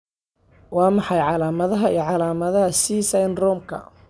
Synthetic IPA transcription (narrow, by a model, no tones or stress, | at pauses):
wɑːmɑħɑjʕɑlaːmɐðɐɦɐiːʕɑlaːmɐðɐɦɐsiːsɐjnrɔːmkʰɐ̰